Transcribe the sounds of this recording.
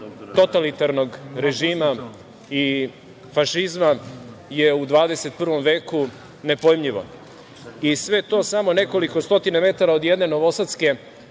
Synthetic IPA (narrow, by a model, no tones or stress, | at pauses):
t̪o̞t̪alit̪aɾno̞ɡɾe̞ʒiːma | i | faʃizma | jeud̪ʋaːd̪e̞se̞t̪̚pr̩ʋo̞mʋeːku | ne̞pojmʎiʋo̞̰ | isʋe̞t̪o̞ːsamo̞ne̞ko̞liko̞st̪o̞t̪iname̞t̪aɾaod̪jed̪ne̞no̞ʋo̞sat̪ske̞